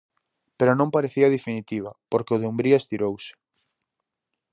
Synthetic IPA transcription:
peɾʊnõmpaɾeθiɐðefinit̪iβ̞ɐpoɾkeʊð̞eumbɾiaest̪iɾowsɪ̥

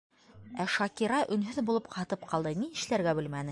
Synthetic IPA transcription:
æʃɑkiɾɑʔɵ̆nɦɵðbulˠɤp̚qɑt̪ɤp̚qʰɑlˠd̪ɤniɘ̆ʃlæɾɡæbɘ̆lmænɘ

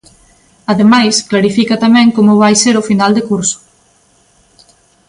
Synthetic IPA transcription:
ɐðemajsklaɾifikɐt̪amɛ̃ŋkomʊβ̞ajseɾʊfinald̪ekuɾsʊ̥

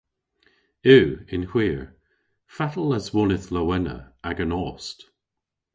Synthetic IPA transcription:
ʉːɪ̃nhw̥iːəɹ | fatəl̩ˠəzwɔnɪθləwɛnə̰aɡənɔːst

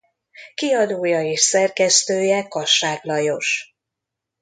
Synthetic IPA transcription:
kiɒd̪oːjɒeːʃsɛrkɛst̪øːjɛkɒʃaːklɒjo̞ʃ

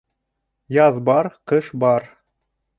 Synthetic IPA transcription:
jɑðbɑɾqɤʃbɑɾ

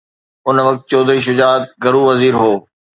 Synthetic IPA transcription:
ʊnʋɐk̚t̪̚t͡ɕoːd̪ɾiːʃ̬ʊd͡ʑaːt̪̚ɡɐɾuːʋɐziːɾɦoː

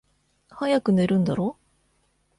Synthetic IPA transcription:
hajakɯ̟ne̞ɾɯ̟̃nd̪aɾo̞ː

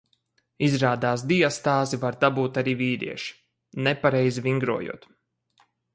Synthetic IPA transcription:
izɾaːd̪aːs̬d̪ijast̪aːzivaɾd̪abuːt̪aɾiːviːɾḭɛʃi̥ | nɛpaɾɛjziviŋɡɾuɔjṵɔt̪

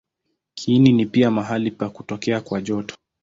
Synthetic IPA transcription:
kʰininipiamaɦalipakutɔkɛakwaʄɔtɔ̥

